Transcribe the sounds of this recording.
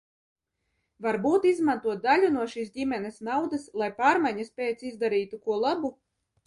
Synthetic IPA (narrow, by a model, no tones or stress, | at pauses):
vaɾbuːt̪izmant̪uɔt̪̚d̪alʲunuɔʃiːs̬dʲimʲɛnɛsnawd̪aslˠajpaːɾmajɲaspʲeːt̪sizd̪aɾiːt̪ukuɔlˠabu